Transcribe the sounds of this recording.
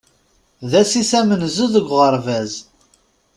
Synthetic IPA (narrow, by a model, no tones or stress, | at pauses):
ðæsisæmənzəðəɡʷʁəɾˤvæz